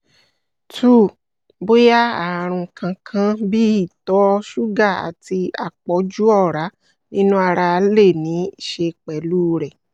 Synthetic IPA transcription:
tʰu˦˨ | bo˦ja˦a˦˨ɾ̃ũ˧˨˧kʰã˧kʰã˧bi˦i˦˨tɔ˨˦ʃu˦ɡa˦˨a̰˨ti˧a̰˨k͡pɔ˨˦d͡ʒu˦ɔ˦˨ɾa˨˦ | nĩ˦nũ˦a˧ɾa˧le˦˨nĩ˨˦i˦˨ʃe˧k͡pɛ˨˦luː˦ɾɛ˨

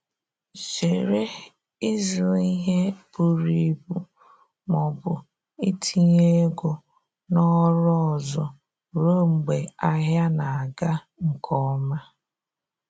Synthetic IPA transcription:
t͡ʃe˨ɾe˦ | i˦zli˦ɦe˦bu˨ɾi˨bu˦ | mɔ˨bʊ˨ | i˦tʰi˦ɲe˦ɡo˨ | nɔ˦ɾɔ˦˨zɔ˨ | ɾo˦ŋ͡m̩˨ɡ͡be˨a˦ɦja˦na˨a˨ɡa˦ | ŋ̩˨kʰɔ˦ma˦

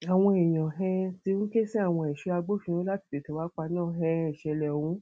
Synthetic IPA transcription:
a˨w̃ɔ̃˧e˨j̃ã˨ɦɛ̃˧ti˧˦ũ˦ke˦si˦a˦˨w̃ɔ̃˧ɛ˨ʃu˧˦a˧ɡ͡bo˦fĩ˧õ˨˦la˦ti̥˨de˨to˨˦wa˨˦k͡pa˧nãː˦˨ɦɛ̃˧ɛ˨ʃɛ˧lɛ˨wũ˨˦

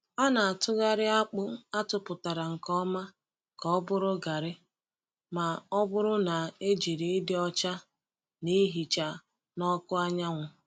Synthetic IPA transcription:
a˦na˨a˨tʊ˦ɣa˦ɾɪ˦a˦k͡pʊ˦a˦tʊ˨pʊ˨ta˨ɾa˨ŋ̩˨kɔ˦ma˦ | kɔ˨ɔ˦bʊ˦ɾʊ˦ɡa˨ɾɪ˦ | ma˨ɔ˦bʊ˦ɾʊ˦na˨e˦d͡ʒi˨ɾi˨ɪ˦dɪ˦ɔ˦t͡ʃa˦ | ni˦ɦi˨t͡ʃa˨ | nɔ˦kʊ˦a˦ɲa˦ŋʷʊ˨

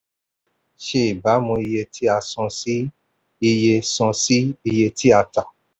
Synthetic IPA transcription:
ʃe˦i˨ba˨˦mũ˧i˧je˧tʰi˦a˧sɔ̃˧si˦ | i˧je˧sɔ̃˧si˦i˧je˧ti˦a˧ta˨

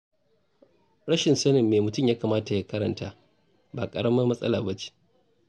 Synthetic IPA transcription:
ɽɐ˦ʃɪ˨nsɐ˦nɪ˨mːeː˨mʊ˨tʊ˦˨jaː˦kaː˨maː˦ta˨ja˦kɐ˦ɾɐ˨ntaː˨˦ | baː˨kʼɐ̰˨ɽɐ˦mɐ˦mɐ˦sʼɐ̰˦la̰ː˨bɐ˦t͡ʃi̥˦ʔ

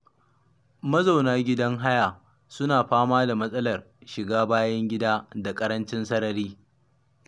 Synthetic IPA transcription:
mɐ˦za˨wnaː˦ɡʲɪ˦dɐ˦ŋɦa˦ja˨ | sʊ˦naː˨ɸaː˦maː˦da˨mɐ˦sʼɐ˦lɐ˨r | ʃɪ˨ɡaː˦baː˦jɐ˦ŋɡʲɪ˦daː˦da˨kʼɐ˦ɾɐ˦nt͡ʃɪ˦nsɐ˦nɐ˨ɾiː˦

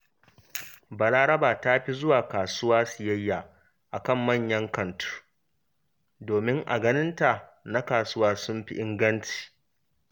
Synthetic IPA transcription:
bɐ˨ɽaː˦ɾɐ˦baː˨ta˦ɸi˦zʊ˦waː˨kaː˨sʊ˦waː˦sʊ˨jɐ˦jːaː˨ | ʔa˨kɐ˦˨mːɐ˦˨ɲjɐ˦ŋkɐ˨ntʰu̥˦ | doː˨mɪ˦ŋʔa̰˨ɡɐ˦nɪ˦nta˨na˦kaː˨sʊ˦waː˦sʊ˦mɸi˦ʔɪ˦ŋɡɐ˦nti̥ː˨

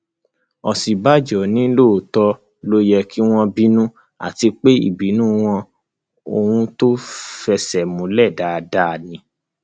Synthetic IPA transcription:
ɔ˨si˨ba˦d͡ʒɔ˨nĩ˦lo˦˨tɔ˧ | lo˦jɛ˧kʰi˦w̃ɔ̃˧bi˦nũ˦ | a̰˨ti˧k͡pe˦ḭ˦˨bi˨˦nũ˦w̃ɔ̃˧ | o˧hũ˧to˦fɛ˧sɛ˨mũ˨˧lɛ˦˨da˨da˦˨nĩ˧˦

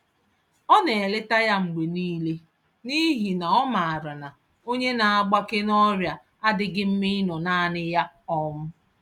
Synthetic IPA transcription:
ɔ˦ne˨e˨le˦ta˦ja˦ŋ͡m̩˨ɡ͡be˨niː˦le˦ | ni˦ɦi˨na˨ɔ˦ma˨a˨ɾa˨na˨ | o˦ɲe˦na˨a˦ɡ͡ba˦kɪ˦n˦ɔ˦ɾja˨ | a˦dɪ˦ɡɪ˦m̩˦mɪ˦nɔ˨naː˦nɪ˦ja˦ɔ˦mʊ˦

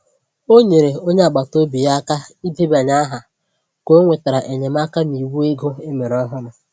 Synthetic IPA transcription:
o˦ɲe˨ɾe˨o˦ɲe˦a˨ɡ͡ba˨to˦bi˨ja˦ka˦i˦de˦ba˨ɲa˦ɦa˨ | ko˦ŋʷe˨ta˨ɾa˨ʔe˨ɲe˨m̩˦a˦ka˦ni˨wu˦e˦ɡo˦e˦me˨ɾɔ˦ɦʊ˦ɾʊ˨

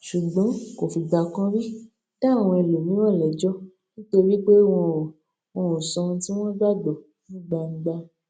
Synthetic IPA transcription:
ʃu˨ɡ͡bɔ̃˨˦ko˨fi˧ɡ͡ba˧kã˦ɾi˦ | ta˦˨w̃ɔ̃˧e˧lu˨mĩ˨˦w̃ɔ̃˦˨lɛ˨d͡ʒɔ˦ | nĩ˦to˧wi˦k͡pe˦w̃ɔ̃˧˨ | wɔ̃˧o˨sɔ̃˧ti˦w̃ɔ̃˦ɡ͡ba˦dɔ˨ | nĩ˦˨ɡ͡ba˧ŋ̩˦ɡ͡ba˧

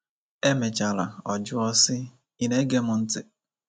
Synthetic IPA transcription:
e˦me˨t͡ʃa˨la̰˨ɔ˨d͡ʒʊ˦ɔ˦sɪ˦ | i˦ne˦ɡe˦mʊ˨n̩˦tɪ˨

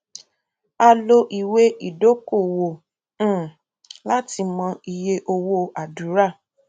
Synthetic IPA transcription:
a˧lo˧ʔi˨we˦ʔi˦˨do˦ko˦˨wõ˨˦˨ | la˦ti˧mɔ̃˧i˧je˧ʔo˧wo˦a˨du˨˦ɾa˦˨

